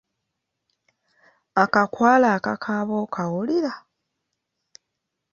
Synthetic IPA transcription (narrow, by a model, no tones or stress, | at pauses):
akakwaːlaːkakʰaːβoːkʰawuliɾa